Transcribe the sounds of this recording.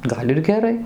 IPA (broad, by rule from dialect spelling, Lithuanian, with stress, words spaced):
ˈɡɐlʲ ɪr ɡʲɛˈrɐɪ